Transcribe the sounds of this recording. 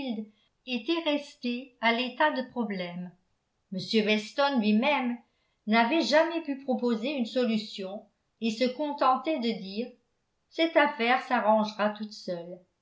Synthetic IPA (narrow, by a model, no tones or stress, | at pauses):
ld̪ | et̪ɛʁɛst̪ealet̪ad̪əpχɔblɛm | məsjøvɛst̪ɔnlɥimɛm | navɛʒamɛpypχɔpozeynsɔlysjɔ̃ | esəkɔ̃t̪ɑ̃t̪ɛd̪əd̪iːʁ | sɛt̪afɛʁsaʁɑ̃ʒʁat̪ut̪sœl